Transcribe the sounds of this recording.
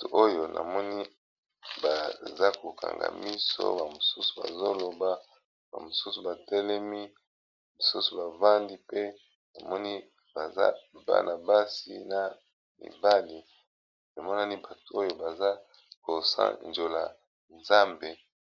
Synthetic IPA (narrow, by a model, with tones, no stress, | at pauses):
to˨ʔo˦jo˨nʔa̰˨mɔ˦ni˦ | ba˨za˦ko˨kʰa̰˨ŋɡa̰˨mi˦so̰˦ba˨mo˨su˦su̥˨ba̰˨zo˦lo˨ba˦ | ba̰˨mo˨su˦su˨ba˨tɛ˦lɛ˦mi˦ | mi˨su˦su˨ba˨va˦ndi˦pe˦ | na˨mɔ˦ni˦ | b̥a˨za̰˦ba̰˦nʔa˨ba˦sḭ˦na˨ | nḭ˨ba˦li˨ | na˨mɔ˦na˦ni˦ba˨to˨o˦jo˦ba˨za˦ | ko˨sa̰˦nd͡ʒo˨la˨ | nza˦mbe˨